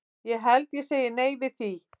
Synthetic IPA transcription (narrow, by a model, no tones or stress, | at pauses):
jɛɦɛlt̪jɛseːjɪneːjvɪðθi